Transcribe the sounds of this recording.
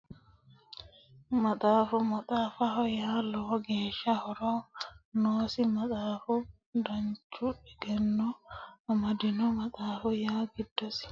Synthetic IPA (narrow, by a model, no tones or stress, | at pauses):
matafumat̪afahɔjaːlɔɡɛʃahɔɾɔnɔsimatafu | daɲt͡ʃuɛɡɛnːɔamadinɔmataːfɔjaɡidːɔsi̥